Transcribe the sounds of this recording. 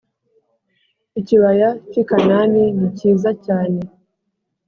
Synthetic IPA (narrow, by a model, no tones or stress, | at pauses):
iciβajat͡ʃikananiniciːzacaːne̞